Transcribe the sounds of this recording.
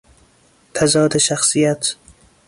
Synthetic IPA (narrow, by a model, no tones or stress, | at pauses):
t̪ʰazɒːd̪ɪʃaχsijat̪